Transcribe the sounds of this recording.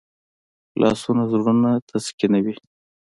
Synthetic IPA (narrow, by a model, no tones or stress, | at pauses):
lʔɑ̰sunazɾunat̪ʰaskinawi